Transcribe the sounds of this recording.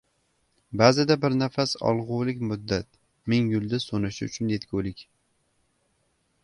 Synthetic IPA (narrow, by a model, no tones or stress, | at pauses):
bazɪd̪abɪɾnafasɒ̰lˠʁʊwlɪkʲmʊd̪ːat̪̚ | mɪŋjʊlˠd̪asonɪʃɪʊ̰t͡ʃʰʊnje̞t̪kʲowlɪkʲ